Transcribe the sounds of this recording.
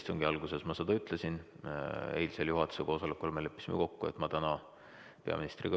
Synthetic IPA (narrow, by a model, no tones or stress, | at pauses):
st̪oŋɡ̥iɑlɡ̥use̞smɑsed̪̥ɑyt̪ˑlesin | ejliseljuɦɑt̪ːˑu̥seko̞ːsɑlekːˑolmelepːˑi̥simḛko̞kːuḛt̪mɑt̪ænɑ | pe̞ɑ̰minist̪rḭɡ